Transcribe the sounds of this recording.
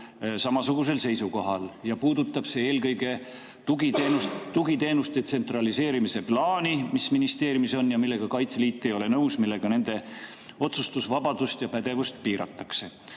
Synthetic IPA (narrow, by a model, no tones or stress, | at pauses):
sɑmɑsuɡ̥us̬e̞lse̞jsuko̞ɦɑljɑpuːd̪ut̪ːˑɑb̥se̞e̞ːlkɤjɡe̞ | uɡienust̪ːuɡit̪e̞ːnust̪e̞t̪se̞nt̪rɑlise̞ːɾimise̞plɑːnimisminist̪e̞ːɾjumiso̞njɑmilːe̞ɡ̥ɑkɑjt̪seliːt̪ːˑejo̞le̞nɤwsmilːe̞ɡ̥ɑne̞nd̪̥e̞ | o̞t̪sust̪usvɑbɑd̪̥ust̪jɑpæd̪̥e̞vust̪̚piːɾɑ̰t̪ˑːɑ̥kse̞